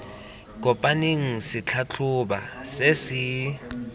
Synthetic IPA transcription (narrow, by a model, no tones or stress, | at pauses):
k̬ʼɔpʼaniŋ̩sɪt͡ɬʰat͡ɬʰʊɓa̰sesɪ